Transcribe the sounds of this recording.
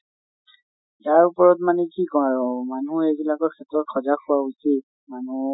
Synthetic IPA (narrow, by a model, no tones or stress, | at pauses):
jaɹupɔɹɔtmanɛkikɔaɹɔmanuebilakɔkʰɛtɔt̚kʰɔzakʰʊwausit | manu